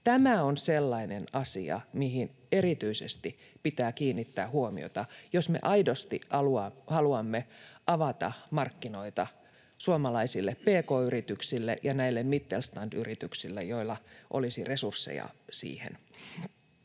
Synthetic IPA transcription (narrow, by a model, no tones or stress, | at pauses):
t̪æmæonselːɑinenɑsḭɑ̰mihin | erit̪yisḛst̪i | pit̪æːkiːnːit̪ːæːhuomḭo̰t̪ɑjosmḛʔɑidost̪ḭɑluɑhɑluɑmːeʔɑʋɑt̪ɑ̰mɑrkːino̞it̪ɑ | suomɑlɑisilːeppeːkoːyrit̪yksilːḛjɑnæilːemmit̪ːelst̪ɑndyrit̪yksilːḛjoilːɑʔolisiresursːḛjɑ̰sḭːhḛn